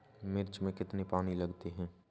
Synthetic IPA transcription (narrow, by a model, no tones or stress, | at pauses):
mɪɾd͡ʒmẽkɪt̪nepaːnilɐɡt̪eɦɛ̃ː